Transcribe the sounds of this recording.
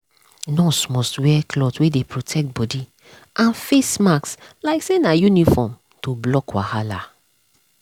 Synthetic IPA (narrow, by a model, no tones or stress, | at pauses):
nɔsmɔstwɛkʰlɔtwedepʰɹotʰɛk̚t̚bɔdi | ãnfesmakslaɪksenajunifɔm | toblɔkwa̰hala